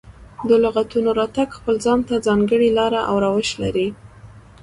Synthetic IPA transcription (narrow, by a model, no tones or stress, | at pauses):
d̪əlʊɣat̪unoɾɑt̪aɡxpəld͡zɑnt̪ad͡zɑŋɡəɽilɑɾaʔa̰wɾɑwəʃlaɾi